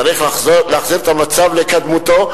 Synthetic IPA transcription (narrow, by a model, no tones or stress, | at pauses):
aʁiχleːχziʁet̪amat͡savlekad̪mut̪o̞